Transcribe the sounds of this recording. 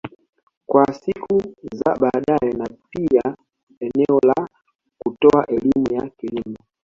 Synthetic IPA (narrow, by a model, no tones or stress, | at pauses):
kwasikʰuza̰ɓaɗajenapia | ɛnɛɔla | kutɔaʔelimujakilimɔ